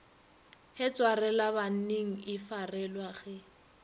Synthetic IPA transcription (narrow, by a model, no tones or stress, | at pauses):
hɛt͡sʼwarɛlaβan̩neŋ̩ɪfarɛlwaɣɛ